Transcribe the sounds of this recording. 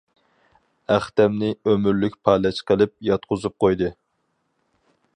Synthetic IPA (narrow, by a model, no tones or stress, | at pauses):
æχt̪ɛmnɪømyɾlykʲpʰɑːlɛt͡ʃqʰəlˠɪp̚jɑt̪̚qʰʊzup̚qojd̪ɨ